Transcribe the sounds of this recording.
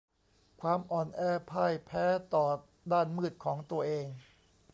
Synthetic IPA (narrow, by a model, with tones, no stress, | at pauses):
kʰwaː˧mʔɔː˧nʔɛː˧˩pʰaː˥˩jpʰɛː˦˥t̪ɔː˨˩ | daː˥˩nmɯː˥˩t̪̚kʰɔː˩˦ŋt̪u˧ɐʔeː˧ŋ